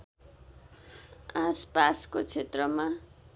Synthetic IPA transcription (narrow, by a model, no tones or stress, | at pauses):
aspaskot͡sʰet̪rʌma